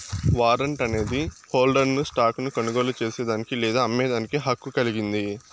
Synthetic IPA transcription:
ʋaːɾɐɳʈɐne̞ːd̪iho̞ːlɖɐɾnusʈaːknukɐnuɡoːlut͡ʃe̞ːseːd̪aːnikilɛːd̪aːɐmːeːd̪aːnikiɦɐkːukɐliɡind̪i

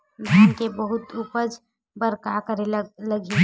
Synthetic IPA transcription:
lakebəɦʊt̪uːpəd͡ʒ | bəɾkakəɾelləɡe

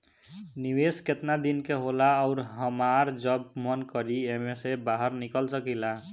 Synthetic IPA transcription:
niwesket̪nad̪inkeɦolaɔʊɾɦʌmaɾd͡ʒʌbmʌnkʌɾiemesebaɦʌɾnikəlsʌkila

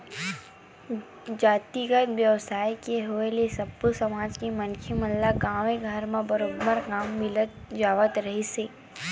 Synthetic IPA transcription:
d͡ʒaːt̪iɡəd̪ʋjəʋsaːikeɦoelesɐbəsəmaːd͡ʒkemənkʰiməllaɡaːʋẽɡʱəɾmãbɐɾoːbbəɾkaːmːɪlət̪̚d͡ʒaːʋət̪ɾɐɦiseː

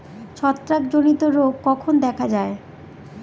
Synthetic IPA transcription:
ʃʰɔt̪ːɾakd͡ʑonit̪oɾoɡkɔkʰond̪ɛkʰad͡ʑae

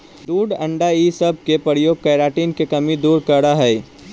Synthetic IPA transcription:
d̪uːɖɐ̃ɳɖaisɐb̚ʱkepəɾjoːɡ̚kɐːɾaːʈiːnkekɐmid̪uːɾkəɽaɦɛː

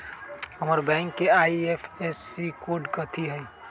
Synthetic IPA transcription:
həməɾbɛ̃ːŋkːeaːiepʰesːikoːɖkət̪ʰiɦəi

